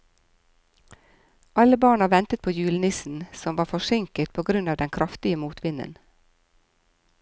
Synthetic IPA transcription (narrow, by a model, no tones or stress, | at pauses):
ʔɑləbɑːɳɑʋɛnt̪ət̪̚pʰoːjʉːlnɪsn̩sɔmʋɑːfɔʃɪŋkət̪̚pʰoːɡɾʉnɑːʋd̪ɛnkʰɾʔɑft̪ɪəmuːt̪ʰʋɪnə̰n